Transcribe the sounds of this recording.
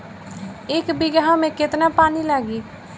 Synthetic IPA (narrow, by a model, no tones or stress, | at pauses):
ɪkbɪɡɦãːmẽːkɪt̪naːpaːniːlaːɡiː